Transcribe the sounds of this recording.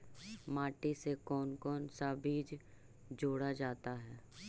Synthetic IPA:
maːʈisekɔːnkɔːnsabiːd͡ʒ | d͡ʒoːɽad͡ʒaːt̪aɦɛː

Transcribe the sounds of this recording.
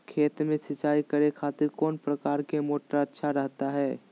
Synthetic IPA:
kʰeːt̪mẽsət͡ʃaːikəɾekʰaːt̪ɪɾkɔːnpɾəkaːɾkemoːʈaətːʃʰaɾəɦt̪aɦɛː

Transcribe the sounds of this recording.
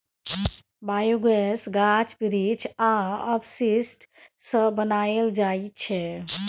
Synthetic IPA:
bajuɡesɡat͡ʃʰpiɾit͡ʃʰaəbsisʈsəbənald͡ʒajt͡ʃʰɛ

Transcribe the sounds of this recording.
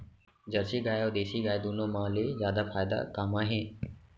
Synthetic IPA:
d͡ʒəɾsiːɡaːjoːd̪eːsiːɡaːjd̪uːnõːmãːlezjaːd̪afaːjd̪a̰kaːmãːɦẽː

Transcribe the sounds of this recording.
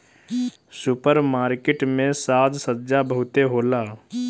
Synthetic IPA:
sʊpəɾmaːɾkeʈmẽsaːd̪sətːd͡ʒabəɦʊt̪eɦoːlaː

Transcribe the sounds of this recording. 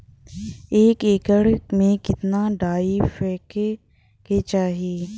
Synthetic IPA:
eːkeːkəɽmẽkɪt̪naɖaːifeke | ket͡ʃaːɦieː

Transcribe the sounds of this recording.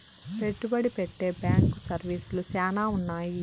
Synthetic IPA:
pe̞ʈːubɐɽipeʈːe̞ːbjaːŋksɐɾʋiːsulusɛːnaːunːaːji

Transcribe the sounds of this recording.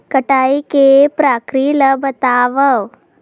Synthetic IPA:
kəʈajikepɾakɾiːləbʱət̪aʋəw

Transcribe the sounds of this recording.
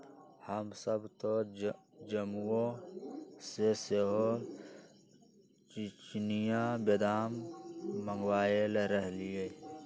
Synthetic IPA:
həmsəbt̪o | d͡ʒəmõ | seseɦo | t͡ʃit͡ʃnijãbed̪aːmː | ə̃ŋɡwaːjelɾəɦlie

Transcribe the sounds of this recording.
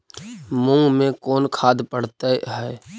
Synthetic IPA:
mʊ̃ŋɡmẽkɔːnkʰaːd̪pəɽt̪eɦɛː

